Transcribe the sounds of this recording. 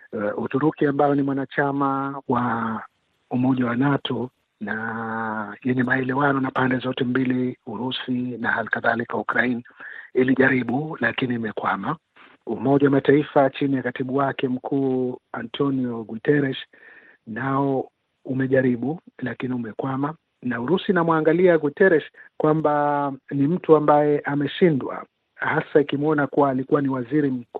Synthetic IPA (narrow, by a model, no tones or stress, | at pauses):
utuɾukiambaɔnimwanat͡ʃamawa | umɔʄawanatʰɔ | na | jɛɲɛmaɛlɛwanɔnapandɛzɔtɛmbiliuɾusinahalikaðalikaukɾainiiliʄaɾiɓulakiniːmɛkwama | umɔʄawamataifat͡ʃinijakatiɓuwakɛm̩kʰuːantʰɔniɔɡutɛɾɛʃ | naɔ | umɛʄaɾiɓulakiniumɛkwama | nauɾusinamwaŋɡaliaɡutɛɾɛʃkwambanim̩tuambajɛʔamɛʃindwa̰ | hasaikimɔnakuwaːlikuwaniwaziɾim̩k